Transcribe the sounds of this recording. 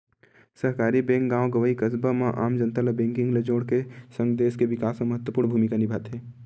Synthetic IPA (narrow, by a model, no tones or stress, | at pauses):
səɦkaːɾibẽːŋk̚ɡãːoɡəʋəikəsbamãʔaːmd͡ʒənt̪aləbẽːŋkɪ̃ŋɡled͡ʒoːɽkesə̃ŋɡd̪eːskeʋɪkaːsmẽməɦət̪wəpuɾnbʱuːmikanɪbʱat̪ɦeː